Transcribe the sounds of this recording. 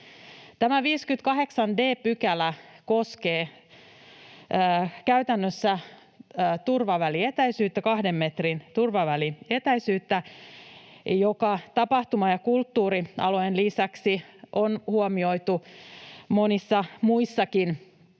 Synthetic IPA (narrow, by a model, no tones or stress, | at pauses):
t̪æmæʋiːskyt̪̚kɑheksɑnde̞ːpykælækoskeː | kæyt̪ænːøsːæː | t̪urʋɑʋæliet̪æisyːt̪ːækɑhdemːet̪rint̪urʋɑʋælinet̪æisyːt̪ːæ | jokɑt̪ɑpɑht̪umɑjɑkult̪ːuːɾiɑ̰lojenlisæksiʔonhuomioit̪u | monisːɑmuisːɑkin